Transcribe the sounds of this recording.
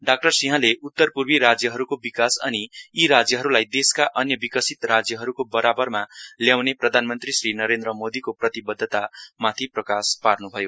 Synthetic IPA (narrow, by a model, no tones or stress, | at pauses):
ɖak̚ʈʌrsiɦãleʔut̪ːʌrpurbiɾad͡zjʌɦʌɾukobikasʌ̰niiɾad͡zjʌɦʌɾulajd̪eskaʔʌnjʌbikʌsit̪rad͡zjʌɦʌɾukobʌɾabʌrmaljawneprʌd̪ʱanmʌnt̪risrinʌɾend̪rʌmod̪ikoprʌt̪ibʌd̪ʱːʌt̪amat̪ʰiprʌkasparnubʱʌjo